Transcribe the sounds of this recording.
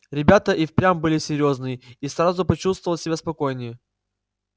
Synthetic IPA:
ɾʲɪbʲat̪əʔifpɾʲambɨlʲɪsʲɪɾʲjo̞znɨjɪisrazʊpɐt͡ɕust̪vəlˠsʲɪbʲaspɐko̞jnʲɪjə

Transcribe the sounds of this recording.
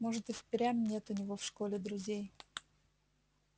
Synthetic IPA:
moʐɨt̪ɨfpʲɾʲamnʲet̪ʊnʲɪvofʂkolʲɪd̪ɾʊzʲej

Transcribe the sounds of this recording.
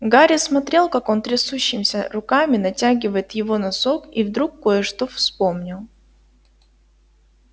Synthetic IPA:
ɡaɾʲɪsmɐt̪ɾʲe̞lˠkako̞nt̪ɾʲɪsuɕːɪmsʲəɾʊkamʲɪnɐtʲaɡʲɪvəjɪt̪jɪvo̞nɐso̞kivd̪ɾukːo̞jəʂt̪ofspo̞mnʲɪlˠ

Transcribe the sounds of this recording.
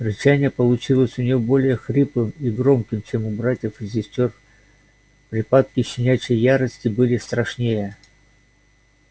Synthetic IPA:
rʲɪt͡ɕænʲɪjəpəlˠʊt͡ɕilˠəsʲʊnʲɪjo̞bo̞lʲɪjəxɾʲɨpɨmiɡɾo̞mkʲɪmt͡ɕemʊbɾatʲjəfɨsʲɪsʲtʲo̞r | pɾʲɪpat̪̚kʲɪɕʲːɪnʲæt͡ɕɪjːaɾəsʲtʲɪbɨlʲɪst̪ɾɐʂnʲejə

